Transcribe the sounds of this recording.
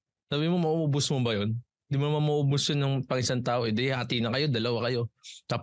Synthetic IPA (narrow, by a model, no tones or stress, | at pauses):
saːbɪmomɐʔʊbʊsmobɐjon | d̪ɪmomɐmɐʔubʊsjonɐŋpɐŋɪsant̪aːʔoʔɛd̪ɛhaːt̪iːnɐkɐjo̞d̪ɐlɐwakɐjo̞t̪aːp